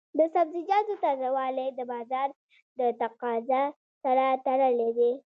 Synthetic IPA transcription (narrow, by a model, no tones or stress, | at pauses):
d̪əsabzɪd͡ʒɑzot̪azawɑled̪əbɑzɑɾ | d̪ət̪aqɑza | saɾat̪aɽəled̪e